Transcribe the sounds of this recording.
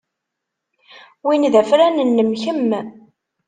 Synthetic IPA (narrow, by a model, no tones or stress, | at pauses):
winðæfɾænənːəmçəmː